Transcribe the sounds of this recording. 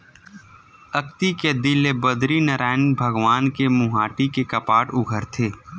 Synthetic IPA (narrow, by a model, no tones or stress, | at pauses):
ɐkt̪iked̪ɪlebəd̪ɾinɐɾaːɪnbʱəɡʋaːnkemʊɦaːʈikekɐpaːʈʊɡʱəɾt̪ʰeː